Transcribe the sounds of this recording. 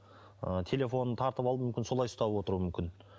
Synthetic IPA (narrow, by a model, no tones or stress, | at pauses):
ət̪ʰe̞lʲe̞fo̞nət̪ʰɑɾt̪əpɑlˠumʏmkʲɪnso̞lˠɑjst̪ɑbwo̞t̪əɾuəmʏmkʲɪn